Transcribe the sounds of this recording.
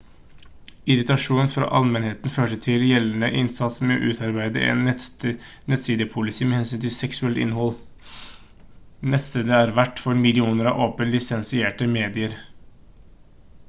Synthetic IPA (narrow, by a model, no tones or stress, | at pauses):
ɪɾɪt̪ɑʂuːnfɾɑ̰ːʔɑlmɛnheːt̪n̩føːʈət̪ʰɪljɛlːənəʔɪnsɑt̪smɛo̰ʔʉːt̪ʰɑɾbæɪd̪əʔɛ̰ːn | nɛt̪siːd̪əpʰʊlɪsiːmɛːhɛnsyːnt̪ʰɪsɛksʉɛlt̪ɪ̰nːhɔlː | nɛt̪st̪eːd̪əæːɾʋæʈːfɔɾmɪlɪuːnəɾɑʔoːpənlɪsɛnsɪeːʈəmeːd̪ɪəɾ